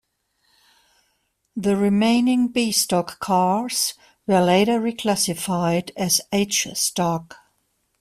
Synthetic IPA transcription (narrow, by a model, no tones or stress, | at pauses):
ðəɹɪmẽɪ̃nɪ̃ŋbistɔkʰɑɹz̥ | wə˞leɪɾə˞ɹikʰl̥æsɪfaɪdɨzeɪt͡ʃstɔk